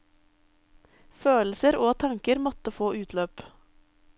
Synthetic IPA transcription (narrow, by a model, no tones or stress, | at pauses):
føːl̩səɾoːt̪ʰɑŋkəɾmɔt̪əfoːʔʉːt̪ʰløːp